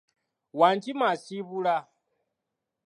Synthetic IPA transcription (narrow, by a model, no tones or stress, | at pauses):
waːɲt͡ʃimasiβula